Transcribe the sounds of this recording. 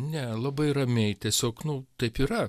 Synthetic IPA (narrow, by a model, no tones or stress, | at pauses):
nʲɛlˠɐbɐɪrɐmʲɛɪt̪ʲiɛsʲoːknʊt̪ɐɪpiːɾɐ